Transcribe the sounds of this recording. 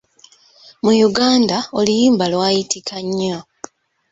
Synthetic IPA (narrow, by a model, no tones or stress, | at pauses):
mujuɡaːndao̞lijiːmbalwaːjitʰikʰaɲːa